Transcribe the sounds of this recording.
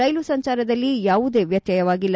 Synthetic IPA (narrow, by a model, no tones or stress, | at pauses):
ɐjlusɐɲt͡ʃaːɾɐd̪ɐlːijaːʋud̪e̞ːʋjɐt̪jɐjɐʋaːɡilː